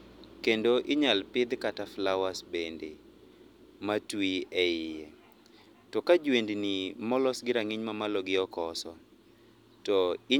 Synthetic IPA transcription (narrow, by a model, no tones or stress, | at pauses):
kendoʔɪɲalpɪd̪kataflawasbende | matwiɛɪje | tɔkad͡ʒwendnimɔlɔsɡɪɾaŋiɲmamalɔɡɪɔkɔsɔ | tɔɪ